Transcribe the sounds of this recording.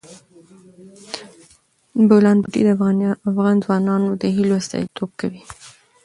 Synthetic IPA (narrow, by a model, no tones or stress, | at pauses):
bawlɑnbuʈḭd̪əafɣɑnzwɑnɑnod̪əɦiloast̪ɑ̰it̪ob̚kawi